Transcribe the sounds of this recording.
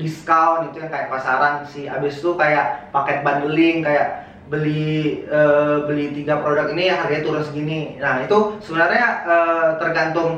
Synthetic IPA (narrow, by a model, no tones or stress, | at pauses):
diskawnit̪ujaŋkajaʔpasaɾansiabɪst̪ukajaʔpakɛt̪̚banəlɪŋkajaʔ | bəliəbəlit̪iɡapɾodakiniɦaɾɲat̪uɾʊnsɡininahit̪usəbənarɲaət̪ərɡant̪ʊŋ